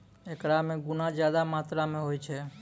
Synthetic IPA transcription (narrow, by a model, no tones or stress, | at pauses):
ekɾamẽɡʊnad͡ʒjaːd̪amaːt̪ɾamẽɦojt͡ʃʰe